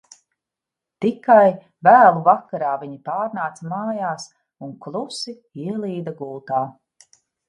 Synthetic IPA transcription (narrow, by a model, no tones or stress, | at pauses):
t̪ikaj | væːlˠuvakaɾaːviɲipaːɾnaːt̪samaːjaːs | uŋklˠusi | iɛlˠiːd̪aɡuːt̪aː